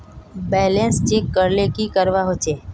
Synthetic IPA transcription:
bɛːlẽnst͡ʃeːkːəɾlekikəɾʋaɦot͡ʃʰeː

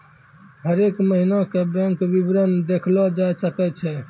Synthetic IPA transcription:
ɦəɾekməɦinakebɛ̃ŋkʋibɾənd̪ekʰlɔd͡ʒajsəkɛt͡ʃʰɛ

